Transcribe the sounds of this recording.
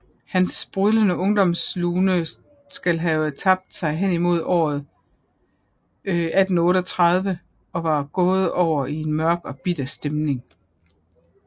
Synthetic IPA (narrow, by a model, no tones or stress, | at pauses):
hænsb̥ʁyðˠlənəɔ̽ŋd̥ɒ̽msluːnə | sɡ̥ælɦæt͡sʰɑ̈b̥̚d̥sɑ̈ɪɦen̰imo̝ð̞ˠɒ̰ːð̞̩ˠ | æd̥n̩ɔ̽ːɾəɒt͡sʰʁɑð̞ˠʋə | ɒ̽ʋɑ̈ːɡ̥ɔ̽ːð̞̩ˠɒʊ̰ɐie̝nmɶɐɡ̥ɒ̽b̥id̥æsd̥emne̝ŋ